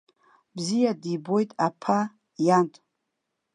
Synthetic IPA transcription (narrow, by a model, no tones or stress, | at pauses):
bzijadibo̞jtʼapʰa | jantʼ